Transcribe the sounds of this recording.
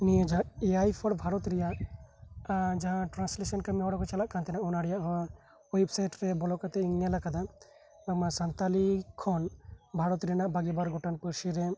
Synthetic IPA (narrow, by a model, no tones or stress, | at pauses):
nijɔd͡ʒaʔɛajpʰɔɽbʱaɾɔt̪ɾɛjaʔ | d͡ʒaɦãʈɾanslesənkəmiɦɔɽɔkɔt͡ʃalaʔkant̪ɛnaʔɔnaɽɛjaʔɦɔ | websajʈɾɛbɔlɔkat̪ɛiŋnɛlakad̪a | masant̪alikʰɔnbʱaɾɔt̪ɾɛnaʔbaɡibaɾɡɔʈanpəɾʃiɾɛ